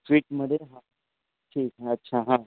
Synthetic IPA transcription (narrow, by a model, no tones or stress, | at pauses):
swiːʈ̚məɽeɦã | ʈʰiːkɦɛɐtːɕʃʰaɦãː